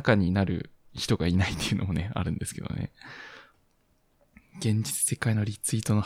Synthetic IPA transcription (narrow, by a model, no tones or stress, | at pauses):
kaɲ̟inaɾɯ̟̰çi̥t̪o̞ɡainait̪ːejiɯ̟no̞̰mo̞ne̞a̰ɾɯ̟̃nd̪e̞sɨ̥ke̞d̪o̞̰nḛ | ɡ̥ẽ̞ɲ̟d͡ʑit͡sɨ̥se̞kainoɾʲit͡sɨiːt̪o̞no